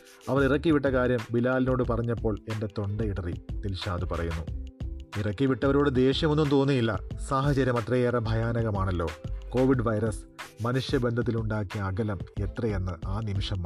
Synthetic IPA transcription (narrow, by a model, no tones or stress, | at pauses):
ɐʋɐrirɐkːiʋiʈːɐkaːɾjɐmbilaːlino̞ːɽɨpɐrɐɲːɐpːo̞ːɭe̞nde̞t̪o̞ɳɖɐiɽɐrit̪ilɕaːd̪ɨpɐrɐjunːu | irɐkːiʋiʈːɐʋɐɾoːɽed̪e̞ːɕjɐmo̞nːumt̪o̞ːnːujilːɐ̰saːɦɐt͡ɕɐɾjɐmɐt̪ːrɐjerɐbʱɐjaːnɐɣɐmaːɳɐlːo̞̰ːko̞ːʋiɖʋɐjɾɐsmɐnuʂjɐbend̪ʱɐt̪ːiluɳɖaːkːijɐːɡɐlɐme̞t̪rɐje̞nːɨʔaːnimiʂɐm